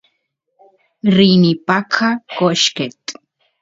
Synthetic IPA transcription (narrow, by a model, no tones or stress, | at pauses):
rinipakʰakoʃket̪